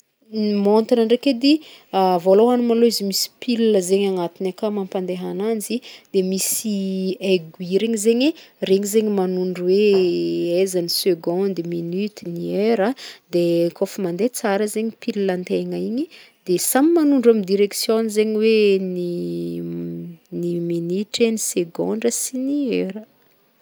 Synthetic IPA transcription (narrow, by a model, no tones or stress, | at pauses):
nimont̪inəɳɖ͡ʐeked̪iavoloanumaloizimisi̥pilləzeɲaŋat̪inakamãmpand̪eɦanand͡ʒid̪̥emisieɡuiɾeɲizeɲereɲizeɲimanuɳɖ͡ʐuwe | ezaniseɡɔ̃nd̪minyt̪inieɾəd̪ekofəmand̪et͡saɾəzeɲipililant̪eŋaiɲi | d̪esamimanuɳɖ͡ʐamid̪iɾeksjõnizeɲiweni | niminiʈ͡ʂeniseɡõ̰ɳɖ͡ʐəsinieɾə